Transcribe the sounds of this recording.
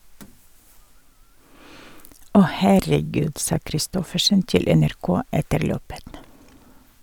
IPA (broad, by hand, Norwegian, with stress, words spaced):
ˈɔh hæɾəˈɡʉːd ˈsɑː kɾɪˈstɔfəʃən ˈtɪl ɛnæɾˈkoː ˈɛtəɾ ˈløːpət